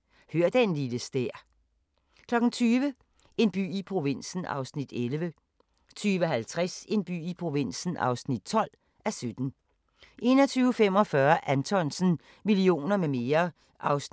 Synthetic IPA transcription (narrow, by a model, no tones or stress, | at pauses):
høɐ̰d̥enliləsd̥eɐ̰ | kʰlɒ̽ɡ̥n̩t͡sʰyːʋə | e̝nb̥y̰ːipʰʁo̝ʋe̝n̰sn̩ʔɑ̰̈ʊsnid̥elʋə | t͡sʰyːʋəɦælt͡sʰʁase̝nb̥y̰ːipʰʁo̝ʋe̝n̰sn̩ʔɑ̈ʊsnid̥̚t͡sʰɒ̽l̰ | æsød̥n̩ | ʔe̝nɒ̽t͡sʰyːʊəfem̰ɒ̽fɶːɐʔænt͡sʰɒ̽nsn̩ | milio̝̰ːnɐmeme̝ːɐ | ʔɑ̈ʊs